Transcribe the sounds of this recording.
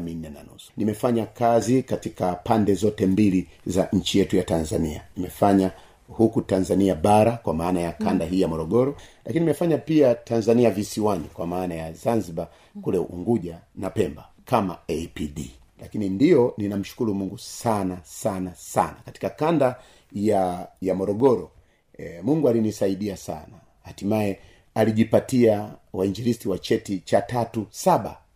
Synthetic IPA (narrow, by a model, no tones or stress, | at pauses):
min̩ːɛna̰nṵsu̥nimɛfaɲakazikatikapandɛzɔtɛmbili | zaɲ̩t͡ʃijɛtujatanzania̰nimɛfaɲa | hukutanzaniaɓaɾakwamaːnajakandaɦiːjamɔɾɔɠɔɾɔlakininimɛfaɲapiatʰanzaniavisiwanikwamaːnajazanziɓa | kulɛʔṵŋɡuʄanapɛmba | kama̰ɛpiɗi | lakinindiɔninam̩ʃu̥kuɾumuŋɡusanasanasa̰nakati̥kakanda | jajamɔɾɔɡɔɾɔ | muŋɡualinisaiɗiasa̰na | hatimaɛ | aliʄipatiawaiɲd͡ʒilistiwat͡ʃɛtit͡ʃatatusaɓa̰